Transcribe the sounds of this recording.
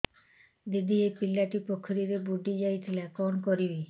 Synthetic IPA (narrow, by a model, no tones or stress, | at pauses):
d̪id̪ʱiepilːaʈipɔkʰɔɾiɾebuɖid͡ʒajt̪ʰilakɔnɔkɔɾibi